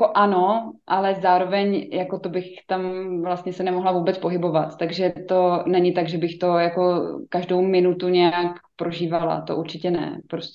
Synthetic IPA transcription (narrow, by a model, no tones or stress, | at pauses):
jakoʔanoʔalɛzaːɾo̞vɛɲjako̞t̪obɪxt̪amvlast̪ɲɛsɛnɛmoɦlavuːbɛt͡spo̞ɦɪbo̞vat̪t̪aɡʒɛt̪o̞nɛɲɪt̪aɡʒɛbɪxt̪o̞jako̞kaʒdo̞wmɪnut̪uɲɛjakpɾʔo̞ʒiːvala̰t̪o̞̰ʔuɾt͡ʃɪcɛnɛ̰pɾosɛ